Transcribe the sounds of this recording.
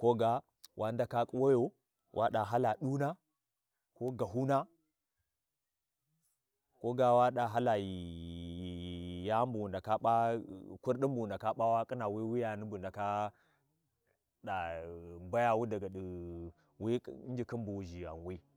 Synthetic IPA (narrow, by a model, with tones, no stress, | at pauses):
ko˦ɡa˦ | wʔa˦nda˦ka˦kʼu˦wo˦jo˨ | wʔa̰˦ɗa˨ɦa˦la˨ɗu˦na˦ | ko˦ɡa˨ɦu˦na˦ | ko˦ɡa˦wa˦ɗa˨ɦa˦la˨ji˨ | ja˦mbu˨wu˨nda˨ka˦ɓa˦ku˦ɾɗi˦mbu˨wu˨nda˨ka˦ɓa˦wa˦kʼi˦na˨wi˦wi˦ja˨ni˦bu˨nda˨ka˦ | ɗa˨ba˦ja˨wu˦da˨ɡa˨ɗi˨ | wi˦n˦d͡ʒi˨ki˦mbu˨wʒi˨a̰˨nwi˦